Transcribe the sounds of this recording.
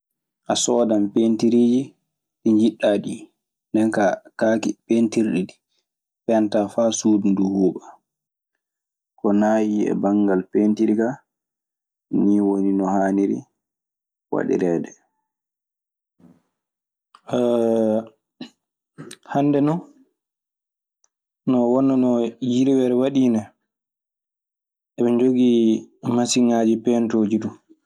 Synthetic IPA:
ʔasɔːdampentiɾiːd͡ʒi | ɗiɲd͡ʒiɗːaɗi | ndɛnkakaːkipentiɾɗiɗi | pɛantafasuːdunduhuːɓa | kɔnajiɛ̰baŋɡalpentiɾika | niːwoninɔhaːniɾḭ | wa̰ɗḭɾɛːdɛ | handɛnɔ | nɔwɔnːanɔjiɾiwɛɾɛwaɗiːnɛ | ʔɛɓɛɲd͡ʒoɡimasiŋaːd͡ʒipɛntoːd͡ʒidum

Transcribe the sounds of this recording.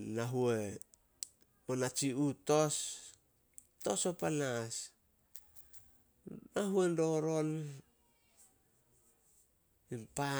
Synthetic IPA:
naɦue | onat͡ʃiuto̞s | to̞sopanas | aɦuendo̞ɾo̞n | impa

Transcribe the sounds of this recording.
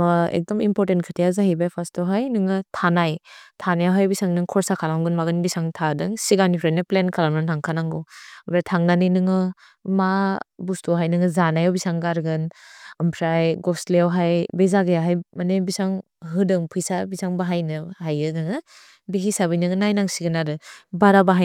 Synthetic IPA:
ḛk̚dɔmimpɔɾtentkʰɯtʰijazaɦibajpʰastɔɦajnɯŋɯtʰanajtʰanajawɦajbisaŋnɯŋkʰɔɾsakʰalamɡɯnmaɡɯnbisaŋtʰadɯŋsiɡanipʰɾajnɯplenkʰalamnɯntʰaŋkʰanaŋɡobɾatʰaŋnanɯnɯŋɯ | mabustuɦajnɯŋɯzanajawbisaŋɡaɾɡɯnɯmpʰɾajɡɔsleawɦajbezaɡɯjaɦajmanebisaŋ | ɦɯdɯŋpʰɯjsabisaŋbaɦajnɯhajɯdɯŋɯ | bihisabɯjnɯŋɯnajnaŋsiɡɯnaɾɯbaɾabaɦa

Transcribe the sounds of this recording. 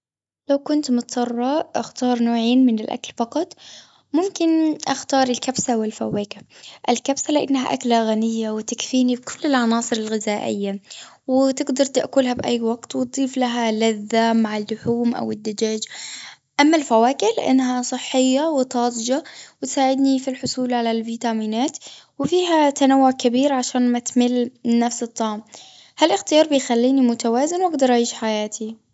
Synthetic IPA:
lawkʊnt̪mʊt̪sɑrˤːɑʔʔaxt̪ɑːɾˤnoːʕeːnmɪnɪlʔa̰klfɑqɑt̪ˤ | mʊmkɪnʔaxt̪ɑːɾˤɪlkabsawɪlfawːeːkaʔɪlkabsalɪʔa̰nːɦa̰ʔa̰klaɣanɪjːawɪt̪akfiːnibkʰʊlːɪlʕɑnɑːsˤɨɾɪlɣɪzaːʔɪjːa | wɪt̪ɪɡd̪ɑɾˤt̪ɪʔkuːlhabʔajːwaɡt̪wɪt̪̚d̪ˤiːflaɦalaðːamaʕalːʊħuːmʔa̰wɪd̪ːad͡ʒaːd͡ʒ | ʔamːalfawaːkɪlʔɪ̰nːɦasˤɨħːɪjːawɪt̪ˤɑːd̪ˤd͡ʒawɪt̪saːʕɪd̪nifilħʊsˤuːlʕalalviːt̪amiːnaːt̪wɪfiːɦat̪anawːʊʕkabiːɾʕaʃaːnmat̪mɪlːnːafsɨt̪ˤːɑʕm | halʔɪxt̪ɪjɑːɾˤbɪjxalːiːnimʊt̪awaːzɪnwʔaɡd̪ɑɾˤʔaʕiːʃħajaːt̪ʰi

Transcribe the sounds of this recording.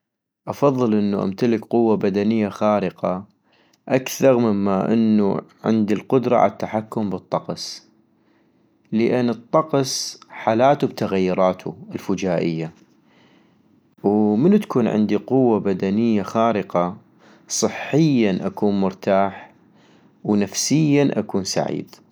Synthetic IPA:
ʔɑfɑðˤːɨlʔɪnːuʔa̰mt̪alɪkqʊwːabad̪anɪjːaxaːɾɪqɑ | ʔakθɑɾˤmɪmːaʔɪ̰nːuʕɪ̰nd̪ilqʊd̪ɾˤɑ̰ʕa̰t̪ːaħakːʊmbɨt̪ˤːɑqs | ləʔɪnːɨt̪ˤːɑqsħaːlaːt̪ubt̪aɣajːʊɾˤɑːt̪ʰuɪlfʊd͡ʒaːʔɪjːa | wmənt̪kuːnʕɪ̰nd̪iqʊwːabad̪anɪjːaxaːɾɪqɑ | sˤɨħːɪjːanʔakuːnmʊɾt̪aːħ | wnafsɪjːanʔa̰kuːnsa̰ʕḭːd̪̥

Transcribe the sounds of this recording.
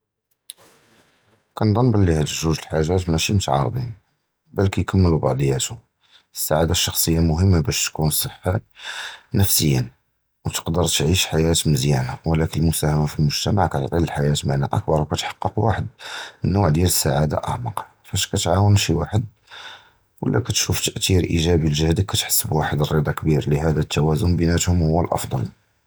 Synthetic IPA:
kænd̪ˤɑnːbəlːihæd̪əʒuʒəlħaʒæt̪mæʃimət̪ʕɑ̰ɾˤd̪in | bælkæjkəmːəlubɑʕd̪ˤjːæt̪u | əsːaʕad̪aʃːɑxsˤəjːamʊɦəmːabæʃt̪kunsˤəħːa | nəfsəjːə̰ | wt̪ə̥qd̪əɾˤt̪ʕiʃħajæt̪məzjænawəlækənəlmʊsæhæmafilmʊʒt̪æmaʕkæt̪t̪ˤiləlħajæt̪maʕnæ̰ʔək̚bɑɾˤwkæt̪ħɑ̥qːəqwaħəd̪̚mənːuʕd̪jæləsːaʕad̪a̰ʔæ̰ʕmɑq | fæʃkæt̪ʕawənʃiwaħəd̪̚ | wə̰lːæ̰kæt̪ʃuft̪əʔt̪iɾʔḭʒæbilʒəhd̪əkːæt̪ħə̥sːəbwaħəd̪ərˤːid̪ˤɑkbiɾlihæd̪æt̪ʰːæwæzʊnbənæt̪hʊmhʊwːəlʔɑ̰fd̪ˤɑ̰l

